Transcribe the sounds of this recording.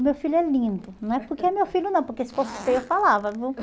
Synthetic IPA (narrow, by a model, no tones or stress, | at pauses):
mewfilʊɛlĩnd̪ʊnɐ̃w̃ɛpoɾkeɐmewfiljʊnɐ̃w̃poɾkesɪ̥pɔsu̥p̪eewfalavɐvi